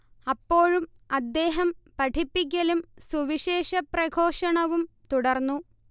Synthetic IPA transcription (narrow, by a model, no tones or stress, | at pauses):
ɐpːo̞ːɻum | ɐd̪ːe̞ːɦɐmpɐʈʰipːik̬ʲːɐlumsuʋiɕe̞ːʂɐprɐkʰo̞ːʂɐɳɐʋum | t̪uɽɐrnːu